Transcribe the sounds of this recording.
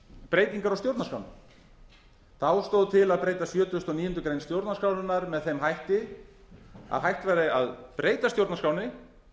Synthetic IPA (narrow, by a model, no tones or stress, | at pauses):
pɾeːjt̪iŋkaɾawst̪jowɾt̪naskawnɪ | θawst̪owðt̪ʰɪlaðpɾeːjt̪asjœːt̪ʏst̪ɔniːjʏnt̪ʏkɾejnst̪jowɾt̪naskaːwnʏnːaɾmɛðθejmɦajht̪ɪ | a̰ðɦajht̪vajɾɪa̰ðpɾeːjt̪ast̪jowɾt̪naskaːwnɪ